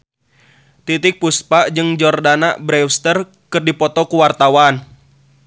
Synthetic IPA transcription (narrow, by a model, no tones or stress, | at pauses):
t̪it̪ɪk̚puspaʔd͡ʒɨŋd͡ʒɔrdanaʔbɾɛwst̪ər | kɨrdipɔt̪ɔkuwart̪awan